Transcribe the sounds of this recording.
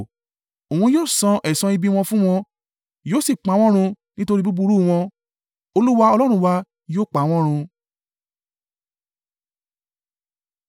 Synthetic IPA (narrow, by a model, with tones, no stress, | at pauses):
õ˨ũ˧˦joː˦˨sɔ̃˧ʔɛ˨sã˧i˧bi˧w̃ɔ̃˧fũ˦w̃ɔ̃˧ | joː˦˨si˦˨k͡pa˨˦w̃ɔ̃˦ɾ̃ũ˧ | nĩ˦to˧ɾi˦bu˦bu˧ɾu˦˨w̃ɔ̃˧ | o˧lu˦wa˧ɔ˧lɔ˦ɾ̃ũ˧˦˧wa˧ | joː˦˨k͡pa˨˦w̃ɔ̃˦ɾ̃ũ˧